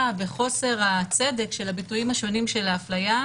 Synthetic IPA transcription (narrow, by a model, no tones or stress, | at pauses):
veχo̞se̞ʁat͡se̞dekʃe̞labitujimhaʃo̞nimʃe̞laːflaja